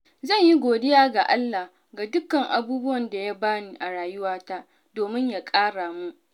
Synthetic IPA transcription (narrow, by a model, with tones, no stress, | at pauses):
zɐ˦˨ɲji˦ɡʷoː˨dɪ˦jaː˦ɡa˨ʔa˦lːa˨h | ɡa˨dʊ˦kɐ˨ŋʔa̰˨buː˦bʊ˦wɐ˨nda˨ja˦baː˦niː˨ʔa˨ɽaː˨jʊ˦waː˦ta˦ʔ | doː˨mɪ˦ɲja˨kʼaː˦ɽaː˨mu˦ʔ